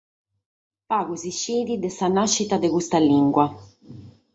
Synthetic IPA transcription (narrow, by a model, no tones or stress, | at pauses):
paːɣuziʃːeːðid̪ɛsanaʃːit̪ad̪ɛɣust̪alːiŋɡwa